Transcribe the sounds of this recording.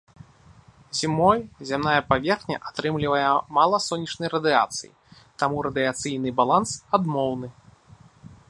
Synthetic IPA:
zʲimɔjzʲamnajɐpavʲɛrxnʲɐ̰ʔat̪ɾɨmlʲivɐjɛmalˠɐsɔnʲːit͡ʂnɐjɾɐd̪ɨat̪sɨ̰jḭ | t̪amuɾɐd̪ɨat̪sɨjnɨbalˠansad̪mɔwnɨ

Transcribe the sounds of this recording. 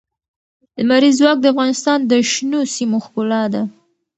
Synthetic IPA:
d̪əmaɾizwɑk̚d̪əafɣɑnɪst̪ɑnd̪əʃnosimoxkʊlɑd̪a

